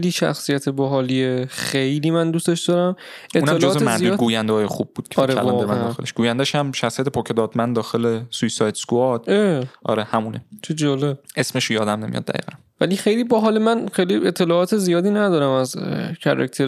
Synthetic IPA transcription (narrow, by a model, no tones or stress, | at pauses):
liːʃæ̰xsijæt̪ʰebɒɦɒliexejliːmænd̪ust̪eʃd̪ɒːɾæm | eunæːeld͡ʒozzemæiuɡuːjænd̪eɒːjexub̚buːd̪̥̚kʰe̥ɒɾeælɒd̪emæd̪ɒːxele̥ʃɡ̥uːjænd̪æʃhæmʃæxsijæt̪ʰepʰɒkʰed̪ɒːd̪mænd̪d̪ɒːxelesujsɒjd̪skuɒd̪̥eʔɒ̰ɾehæmunet͡ʃʰed͡ʒɒːlebʔe̞smeʃojɒːd̪æmnemijɒ̰d̪ːæ̰ɣḭːɣænvælixejlibɒɦɒːlimænxejlie̞t̪ʰːe̞lɒɒːt̪ʰezijɒːd̪iːnæd̪ɒːɾæmæzcʰæ̰ɾæ̰k̚t̪ʰeɾ